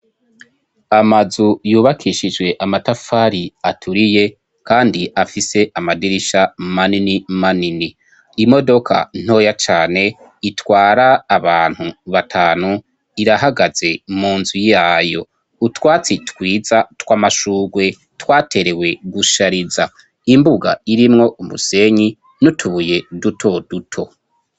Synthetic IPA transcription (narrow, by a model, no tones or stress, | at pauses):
amazujuːβakʰiʃid͡ʒwe̞ʔamatafaːɾiatʰuɾije̞ | kaːndiʔafise̞ʔamadiɾiʃamaninimanini | imo̞do̞kʰa̰n̥o̞ːjat͡ʃaːne̞ | itwaːɾaːβaːn̥huβatʰaːnu | iɾaɦaɡaz̥e̞muːnzujaːjo̞̰ | utwaːt͡sitkwiːzatwaːmaʃuːɡwe̞ | twaːtʰe̞ɾe̞we̞ɡuʃaɾiza | imbuɡa̰iɾimŋo̞ʔumṵse̞ɲi | nutʰuβuje̞dutʰo̞dutʰo̞